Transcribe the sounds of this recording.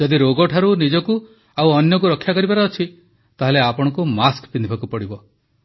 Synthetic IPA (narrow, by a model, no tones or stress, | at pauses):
d͡ʒɔd̪iɾoɡɔʈʰaɾunid͡ʒɔku | awɔnjɔkuɾɔkʰːjakɔɾibaɾaɔt͡ʃʰi | t̪aɦeleapɔɽ̃ɔ̃kumaskpind̪ibakupɔɽibɔ